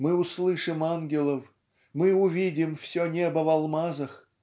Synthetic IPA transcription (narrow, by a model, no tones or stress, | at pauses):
mɨʊslˠɨʂɨmanɡʲɪlˠəf | mɨʊvʲidʲɪmfsʲonʲebəvalˠmazəx